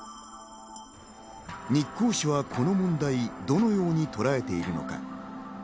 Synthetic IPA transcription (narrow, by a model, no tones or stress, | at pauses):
ɲikːoːɕiβakʰo̞no̞mõ̞nd̪aid̪o̞no̞jo̞ːɲ̟it̪o̞ɾae̞t̪e̞iɾɯ̟no̞̰ka̰